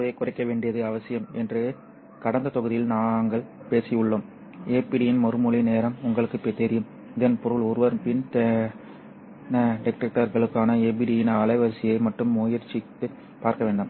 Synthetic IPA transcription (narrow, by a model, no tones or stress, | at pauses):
ðekːʊrɐɪkːɐʋeːɳɖɪjɐðɯɐʋɐsɪjɐmɛndrɯ | kɐɽɐnd̪ɐt̪ɔɣɯðɪjɪlnaːŋɡɐɭ | peːsɪjɯɭːoːm | eːpiɽijɪnmɔɾɯmʊɭineːɾɐmʊŋɡɐɭɯkːɯpɛt̪ːɛɾɪjɯm | ɪðɐnpɔɾɯɭɔɾɯʋɐɾpɪnt̪ɛ | nɐɖɪk̚ʈɐk̚ʈːɐɾɣɐɭɯkːaːnɐeːp̬iːɽijɪnaːlɐɪʋɐɾsɪjɐɪmɐʈːɯmːuːjɐɾt͡ʃːɪt̪ːɯ | paːɾkɐʋeːɳɖaːm